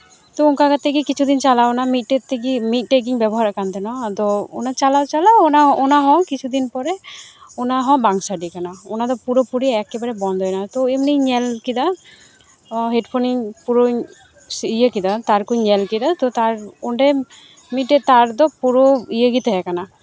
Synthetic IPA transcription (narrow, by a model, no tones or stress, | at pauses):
t̪ɔuŋkakat̪ʰːekikit͡ʃʰud̪int͡ʃalawnamit̪̚ʈet̪ːekimit̪̚ˀʈek̬iŋbɛbɔɦaɾakant̪ɛnɔt̪ɔo̰nat͡ʃalawt͡ʃalaonaonaɦɔ̃kit͡ʃʰud̪inpɔɾɛonaɦɔ̃baŋsaɖikanaonad̪ɔpuɾopuɾiɛkːebaɾɛbɔnd̪ʱɔjnat̪oemnejɲɛlkid̪a | ɦeɖpʰoniŋpuɾo | sijekid̪at̪aɾkuɲɛlkid̪at̪ɔt̪aɾoɳɖe | mit̚ʈet̪aɾd̪ɔpuɾoijeɡit̪eɦɛkana